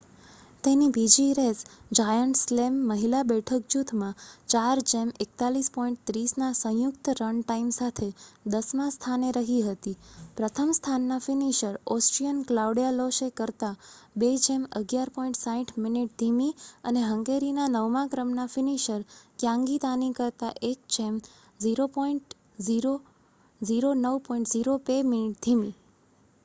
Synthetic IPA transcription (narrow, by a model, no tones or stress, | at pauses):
t̪enibʱid͡ʒiɾesd͡ʒajəɳʈslemːəɦilabɛʈʰək̚d͡ʒut̪ʰmãt͡ʃaɾd͡ʒemek̚t̪alispɔĩɳʈ̚t̪ɾisnasə̃jʊkt̪ɾəɳʈaimsat̪ʰed̪əsmãst̪ʰaneɾəɦiɦət̪ipɾət̪ʰəmst̪ʰanːafiniʃəɾɔsʈɾijənklauɖijaloʃekəɾt̪abed͡ʒeməɡjaɾpɔĩɳʈsaɦĩʈʰminiʈ̚d̪ʱimiəneɦəŋɡeɾinanəʋmãkɾəmnafɪniʃəɾkjãŋɡit̪anikəɾt̪aʔek̚t͡ʃem | ziɾopɔiɳʈ | ziɾo | ziɾonəʋpɔĩɳʈziɾopeminiʈ̚d̪ʱimi